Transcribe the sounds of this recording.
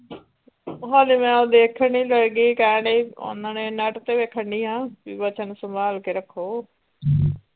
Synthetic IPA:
ɦaːlimɛ̃ːod̪eːkʰəɳiːləɽɡiːkaːɽio̰nənenəʈt̪eːʋeːkʰəɳɖiːɦãːiʋət͡ʃənsəmʱaːlkeɾəkʰoː

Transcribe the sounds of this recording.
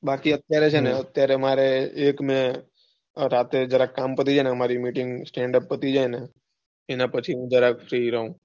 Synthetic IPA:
bakiət̪jaɾet͡ʃʰeneət̪jaɾemaɾeekmẽ | ɾat̪ed͡ʒəɾakːampət̪̬id͡ʒaneəmaɾimiʈɪŋɡsʈɛ̃ɳɖəpːət̪id͡ʒajne | enapət͡ʃʰiɦũd͡ʒəɾafʰɾiɾəɦũ

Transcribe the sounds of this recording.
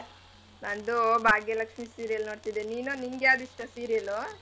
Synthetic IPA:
bɐnd̪ubaːɡjelɐkʂmisiːɾijɐlnoːɖt̪id̪eniːnunimɡead̪iʂʈɐsiːɾijɐlu

